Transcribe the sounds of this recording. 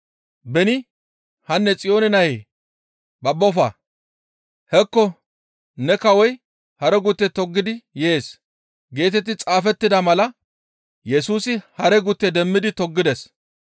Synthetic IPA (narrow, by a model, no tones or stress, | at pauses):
bɛnɪ | hɐnːɛt͡sʼɪjo̞ːnɛnɐje | bɐbːɔfa̰ː | hɛkːɔ | nɛkɐwɔj | hɐɾɛɡʊt̪ːɛt̪ɔɡːɪd̪ɪjeːs | ɡe̞ːt̪ɛt̪̬ːɪt͡sʼaːfɛt̪ːɪd̪ɐmɐlɐ | jɛsuːsɪhɐɾɛɡʊt̪ːɛd̪ɛmːɪd̪ɪt̪ɔɡːɪd̪ɛs